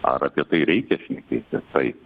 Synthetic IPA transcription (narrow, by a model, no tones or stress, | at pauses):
ɐ̰ɾɐpʲiɛt̪ɐɪɾʲɛɪkʲɛʃʲnʲɛkʲeːt̪ʲɪt̪ɐɪ